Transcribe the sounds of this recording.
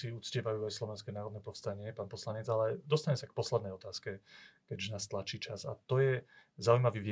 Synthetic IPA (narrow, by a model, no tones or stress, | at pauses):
iut͡scɪɛʋajuːajslɔʋɛnskɛːnaːɾɔd̪nɛpɔfst̪aɲɪɛpaːnpɔslaɲɛd͡zalɛd̪ɔst̪aɲmɛsak̚pɔslɛd̪nɛjɔt̪aːskɛkɛɟʒɛnaːst̪lat͡ʃiːt͡ʃaza̰t̪ɔjɛzaujmaʋiːʋi